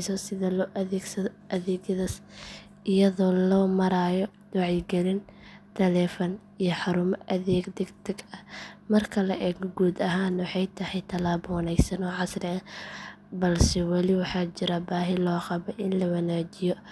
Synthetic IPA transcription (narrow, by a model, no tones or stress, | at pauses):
sɔsɪðɐlɔʔɛɡsɐʔɐðɛːɡjɐðɐs | ʔɪjɐðɔːlɔːmɐɾaːjɔ | wɑʕijɡɛlɪnt̪ʰɐlɛːfɔn | ijɔħɑɾʊmɐʔɐðɛːɡd̪ɛɡt̪ʰɐɡɐmɐrkʰɐlɐʔɛɡɡuːd̪ɐɦaːnwɑħɑjt̪ʰɐhɛjt̪ʰɐlaːbɔːnɛjsɐnɔːʕɑsrɪɐ | bɐlsɛwɑlɪwɑħɑːt͡ʃɪɾɐbaːɦɪlɔːqɑβɔʔɪnlɐwɐnaːt͡ʃɪjɔ